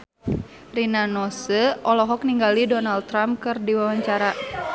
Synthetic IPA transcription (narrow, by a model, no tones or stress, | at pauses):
rinanɔsəʔɔlɔɦɔk̚niŋɡalidɔnald̪̚t̪ɾampkɨrdiwawaɲt͡ʃaɾa